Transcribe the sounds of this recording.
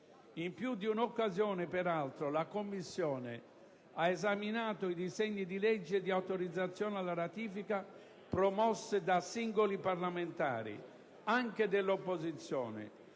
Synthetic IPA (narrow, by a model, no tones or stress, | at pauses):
impjud̪iunokːazjɔːnepɛɾalt̪ɾolakomːisːjɔːnḛ | aezaminaːt̪oid̪isɛɲːid̪ilɛd͡ʒːed̪iawt̪oɾid̪zːat̪sːjɔːnalːaɾat̪iːfika | pɾɔmɔsːid̪asiŋɡolipaɾlament̪a̰ːɾḭ | aŋked̪elːopːozit̪sːjɔ̰ːnɛ̰